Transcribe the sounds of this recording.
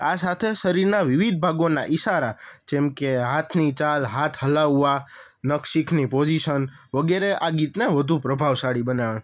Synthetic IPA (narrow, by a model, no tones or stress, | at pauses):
asat̪ʰeʃəɾiɾnaʋɪʋid̪̚bʱaɡona̰ʔiʃaɾad͡ʒẽmkeɦat̪ʰnit͡ʃalɦat̪ʰhəlaʋːa | nəkʃikʰnipod͡ʒiʃən | ʋəɡeɾeʔaɡit̪neʋəd̪ʱũpɾəbʱaʋsaɽibənaʋe